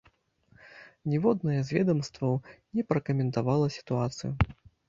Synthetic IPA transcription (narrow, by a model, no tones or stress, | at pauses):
nʲɛvɔd̪nɐjɛzʲvʲɛd̪ɐmst̪vɐwnʲɛpɾɐkɐmʲɛnt̪avalˠɐsʲi̥t̪uat̪sɨju